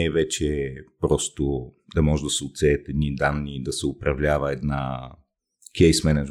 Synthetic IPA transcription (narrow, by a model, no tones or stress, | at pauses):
ɛvɛt͡ʃɛpɾɔst̪o | d̪amoʒɛd̪asɛut̪sɛːt̪ɛd̪nʲid̪anːid̪asɛupɾavʎʲavaɛd̪na | kʰʲejsmɛnad͡ʒ